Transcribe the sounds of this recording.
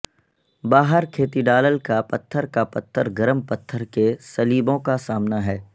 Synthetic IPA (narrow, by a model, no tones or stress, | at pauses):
baːɦəɾkʰeːt̪iɖaːləlkapɐt̪ʰːəɾkapɐt̪ʰːəɾɡɐɾəmpɐt̪ʰːəɾkesɐliːbõkasaːmnaɦɛː